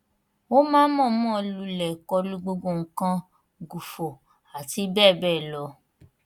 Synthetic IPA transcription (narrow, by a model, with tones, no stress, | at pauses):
o˦mãː˦mɔ̃˦˨mɔ̃˦˨lu˧˦lɛ˨kɔ˧lu˧ɡ͡bo˧ɡo˧˨ŋ̩˨˦kã˧ | ɡu˨fo˨ | a˨ti˧˦bɛː˦˨bɛː˦˨lɔ˧˦